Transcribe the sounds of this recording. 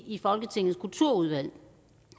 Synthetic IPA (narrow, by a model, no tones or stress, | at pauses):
ifɒ̽lɡ̥ət͡sʰe̝ŋ̰n̩skʰult͡sʰuɐ̰uð̞ˠʋæl̰